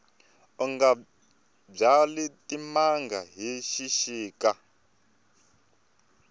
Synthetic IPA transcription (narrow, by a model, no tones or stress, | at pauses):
ɔŋɡa | b͡ʐalitʼimaŋɡaɦiʃiʃiːka